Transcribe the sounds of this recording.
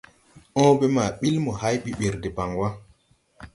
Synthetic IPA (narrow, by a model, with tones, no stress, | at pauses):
ʔɔ̃ː˦be˦maː˨ɓi˦lmɔ˨ha˦jɓi˦ɓe˨ɾde˨ba˨ŋwa˦